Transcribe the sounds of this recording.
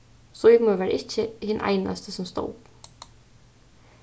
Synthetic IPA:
sɔjɪmuvɛːɾaʔɪhcɪhɪnːʔa̰jna̰st̪sɔmst̪o̰ːwp

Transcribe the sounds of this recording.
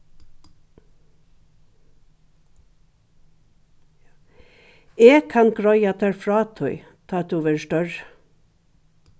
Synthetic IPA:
eːkʰɑnɡɾɔʏɑt̪ʰæɾfɾɑːt̪ʰœʏ | t̪ʰɑt̪uːʋəɹʃʈœɹ

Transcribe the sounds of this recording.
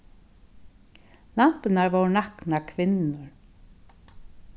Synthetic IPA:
lam̥pɪnaɹvowɾnaknakʰvɪnnʏɹ

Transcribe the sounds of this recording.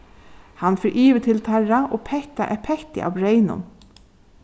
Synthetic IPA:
hanfɪɾʔiːʋɪt̪ʰɪlt̪ʰaɹaʔoːpʰɛht̪aʔɛpʰɛht̪ɪ̰ʔa̰ːʋɾeɪnʊ̰n

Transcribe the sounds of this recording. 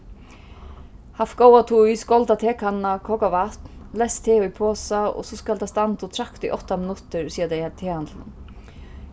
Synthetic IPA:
haft̪koːwat̪ʰuiskɔlt̪at̪ʰɛːkhanːakʰɔkavaht̪nlɛst̪ʰeːʊjpʰɔːsaɔ̰sɔskalt̪ʰast̪ant̪ut̪ʰɾakt̪iʔɔht̪amɪnʊt̪ɪɾsiːjat̪ejt̪ʰeːhant̪l̰

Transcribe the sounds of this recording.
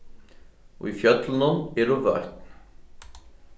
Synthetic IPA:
ɔ̰ɣifjœt̪lnʏmɛɾʏvœ̰ɥht̪n

